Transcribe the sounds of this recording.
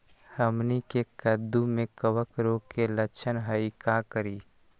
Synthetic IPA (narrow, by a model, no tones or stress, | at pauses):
həmnikekəd̪umẽkəwəkɾoːkeləkt͡ʃʰənɦəikakəɾiː